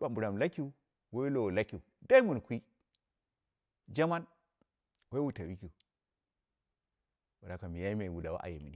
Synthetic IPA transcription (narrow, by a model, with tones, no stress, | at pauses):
ba˨mbu˨ɾa˨m˨la˦ki˨u˨˦ | wa˦i˦lo˨wla˦ki˨da˦i˦mu˨n˨kʷi˦ | d͡ʒa˦ma˦n | we˦wu˦ta˨wi˦ki˨ | wa˨da˨ka˨mi˨ja˦i˦me˨wu˨da˨wa̰˦ʔa̰˨je˨mḭ˨ni